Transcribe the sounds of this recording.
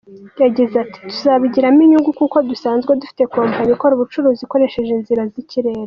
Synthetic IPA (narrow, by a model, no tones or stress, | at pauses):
jaɟizati̥tu̥zaβiɟiɾamiɲuŋɡukuko̞dusaːnzɡwedufi̥te̞kuβaːmaɲikoɾuβut͡ʃuɾuːziko̞ɾe̞ʃe̞ʒinziɾaziciɾe̞ːɾa